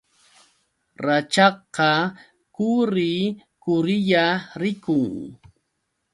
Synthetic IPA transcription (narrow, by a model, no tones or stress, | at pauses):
ɾat͡ʃɑqɑ | kʊɾɪkʊɾɪʎaɾɪkʊŋ